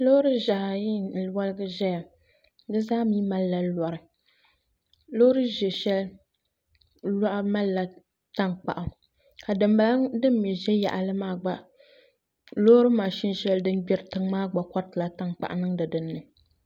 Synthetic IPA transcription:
lo˦hɾɨ˦ʒa˨ha˨ji˦˨lwa˦lɨ˦ɡɨ˦ʒɛ˦ja˨˦ | dɨ˦zaː˦miː˦ma˦lla˨˦la˨ɾɨ˨ | lo˦hɾɨ˦ʒɛ˨ʃɛ˦l | la˦ʔa˦ma˦lːa˨ | ta˦ŋk͡pa̰˨ʔa˨ | ka˨dɨ˨mba˨lŋdɨ˦mː˦i˨ʒɛ˦ja̰˨ʔa˨lɨ˦maː˦ɡ͡ba˦˨ | lo˦ɾɨ˦maː˨ʃi˦nʃɛ˦ldɨ˦nɡ͡bɛ˦ɾɨ˨tɨ˦ŋmaː˦ɡ͡ba˨kɔ˦ɾtɨ˨la˨ta˦ŋk͡pa̰˨ʔa˨nɨ˦ŋdɨ˨dɨ˦nːɨ˨

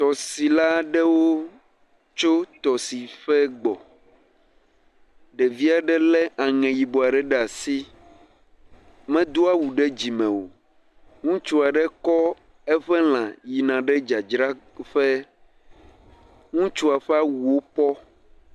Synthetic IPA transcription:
t̪ɔ˨si˨la˦ɖɛ˦wo˦ | t͡ʃo˦t̪ɔ˨si˨ɸɛ˦ɡ͡bɔ˨ | ɖɛ˨vi˦a˨ɖɛ˦lɛ˦ʔa˨ŋɛ̃˨ji˨bo˨a˨ɖɛ˦ɖɛ˦a˨si˦ | mɛ̃˦d̪o˦a˦wu˨ɖɛ˦d͡ʑi˨mɛ̃˨wo̰˨ | ŋũ˦t͡ʃu˦a˨ɖɛ˦kɔ˦ | ɛ˦ɸɛ˦l̃ã˨ji˨nã˨ɖɛ˦d͡ʒa˨d͡ʒɾa˦ɸɛ˦ | ŋũ˦t͡ʃu˦a˨ɸɛ˦a˦wu˨wo˦pɔ˦

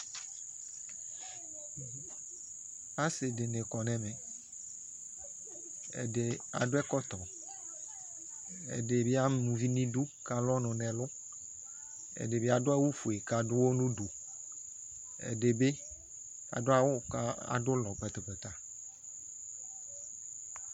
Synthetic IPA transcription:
a˦sɪ˨de˨ne˨kɔ˨nɛ̃˨mẽ˨ | ḛ˨de˨a̰˨dʊ˦ɛ˦kɔ˦t̪ɔ˨ | ḛ˨de˨be˦a˦nũ˨vi˦nĩ˦du˦ka˨lɔ˦nʊ̃˨nɛ̃˨lʊ˦ | ḛ˨de˨be˦a˨dʊ˦a˦wu˦fu˨e˨ka˨dʊ˦wo˦nũ˦du˨ | ḛ˨de˨be˦ | a̰˨dʊ˦a˨wo˦a̰˨dʊ˦lɔ˨k͡pɛ˨t̪e˨ɸe˨t̪a˨

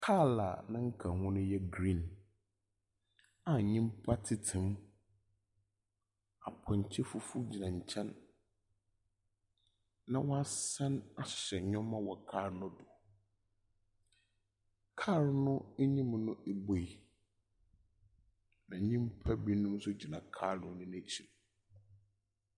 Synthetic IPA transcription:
kʰa˦˨la˨nã˦ŋ̩˦kʰã˨hʊ̃˦nʊ̃˦jɛ˦ɡɾĩ˦˨n | a˨ɲĩ˦mpʰa˦tʰɪ˨tʰɪ̃˨m | a˨pʰɔ̃˨ɲ˨t͡ɕʰɪ˦fʊ˦fu˦d͡ʑi˨nã˨ɲ˨t͡ɕʰɛ̃˦n | ã˨wɔ˦a˦sã˦na˨ɕɛ˨ɲɔ̃˦mã˦wɔ˨kʰaː˦˨ɾnʊ̃˦dʊ˨ | kʰaː˦˨ɾnʊ̃˦ɲĩ˦mnʊ̃˦e˦bo˨i˨ | nã˨˦ɲĩ˦m˦pʰa˦bi˦nʊ̃˦m˦sʊ˦d͡ʑi˨nã˨kʰa˦˨nʊ̃˨˦nʊ̃˦næ˦t͡ɕʰi˨l

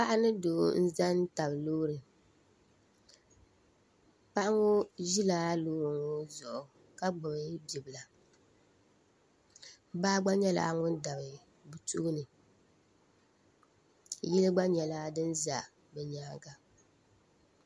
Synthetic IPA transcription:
pa˦ʔa˦nɨ˦doː˨˦n̩˦za˦n˦ta˨bloː˦ɾɨ˨ | pa˦ʔa˦ŋo˦ʒi˦laː˦loː˦ɾɨ˨ŋo˦zɔ˨ʔʊ˨ | ka˦ɡ͡bʊ˨bɨ˦bi˨bɨ˨la˨˦ | baː˦ɡ͡ba˦ɲɛ˦la̰˨˦ŋʊ˦nda˨bɨ˨ | bu˨tʰu˦nɨ˨ | jɛ˦lɨ˦ɡ͡ba˦ɲɛ˨laː˦dɨ˦nza˨ | bɛ˨ɲaː˦ɡa˦

